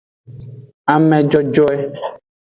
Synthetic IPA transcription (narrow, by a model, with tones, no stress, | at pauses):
a˨mɛ̃˨d͡ʒɔ˦d͡ʒɔ˦ɛ˦